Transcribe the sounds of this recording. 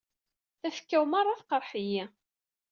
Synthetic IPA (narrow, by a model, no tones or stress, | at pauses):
θæfə̥kːæwmɑɾˤːɑθqəɾˤħəjæ